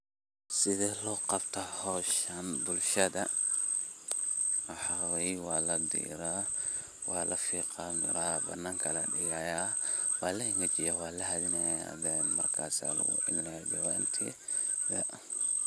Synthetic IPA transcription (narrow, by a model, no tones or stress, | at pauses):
sɪðɛlɔːqɑbt̪ʰɐhɔːʃɐnbʊlʃɐðɐ | wɑħɑwɛjwɑːlɐd̪ḭːɾaː | wɑ̰ːlʔɐfiːqɑːmɪ̰ɾaːbɐ̰nːaːŋkʰɐlɐɖɪjaja | wɑːlɐɪŋɡɐt͡ʃɪjawɑːlɐɦɐðɪnɐja̰dɛnmɐrkʰa̰ːsa̰ːlɐ̰ɣʊ̰ʔɪ̰nnɛbɐwaːnt̪ʰḭ | ðɐ